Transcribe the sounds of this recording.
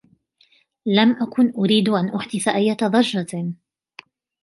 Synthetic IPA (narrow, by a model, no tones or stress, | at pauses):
lamʔakʊnʔʊɾiːd̪ʔanʔʊħd̪ɪθaʔajːat̪ɑd̪ˤɑʒːɑ